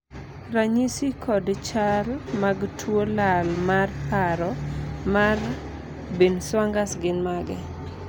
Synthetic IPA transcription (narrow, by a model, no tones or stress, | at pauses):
ɾaɲisikʰɔdt͡ʃarmaɡtʰwolalmarpaɾɔmar | binswaŋɡasɡɪnmaɡɛ